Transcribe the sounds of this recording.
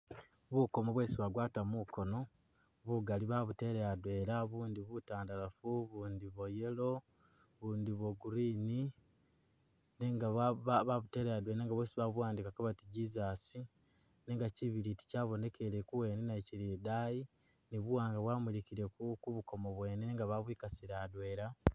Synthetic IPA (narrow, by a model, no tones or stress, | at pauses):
βuko̞mo̞βwe̞ːsiβaɡwaːtamuko̞no̞ | βuɡaliβaβute̞ɾejadwe̞ɾaβuːndiβutaːndalafuβuːndiβoje̞lo̞ | βuːndiβwoɡuɾiːni | neŋɡaβaβaβute̞ːɾejadweneːŋɡaβosiβaβuwaːndikakoβatiɟizasi | neːŋɡaciβiɾiti̥caːβo̞ne̞kʰe̞lekuwe̞ːnenaiciɾidaji | niβuwaːŋɡaβwaːmilikiɾekukuβuko̞moβwe̞ːneneŋɡaβaβwiːkasiɾaːdwe̞ːɾa